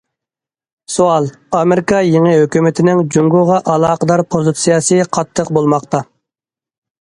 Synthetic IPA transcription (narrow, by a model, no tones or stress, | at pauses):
soɑlˠ | ɑmeɾɪkʰɑjeŋɨɦøkʲymɪt̪ʰɪnɪŋd͡ʒuŋɡuʁɑʔɑlˠɑːqəd̪ɑɾpʰozɨt̪sijɑsɨqʰɑt̪ʰːəqbolˠmɑqt̪ɑ